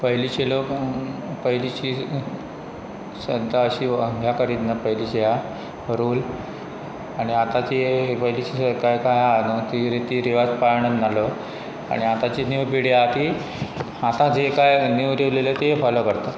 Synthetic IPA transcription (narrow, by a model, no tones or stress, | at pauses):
pəɦilit͡ɕelo | pəɦilit͡ɕiː | sənt̪aəɕiːəŋɡʱjakəɾiːt̪napəɦilit͡ɕeja | ɾuːl | aɽ̃iat̪at͡ɕepəɦilit͡ɕikajkajanət̪iɾit̪iːɾiʋad͡zpaɾɳənnːalə | a̰ɽ̃iat̪at͡ɕiniwpiɽjat̪i | at̪ad͡zekajnewɾeʋlelət̪eɦefaləkəɾt̪a